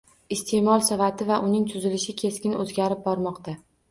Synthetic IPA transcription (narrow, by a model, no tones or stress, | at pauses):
ɪst̪ʰe̞mɒlˠsɒvat̪ʰɪvaʔʊnɪŋt̪ʰʊzɪlɪʃɪkʲʰe̞skʲɪnɵzɡʲaɾɪp̚bɒɾmɒqt̪ʰa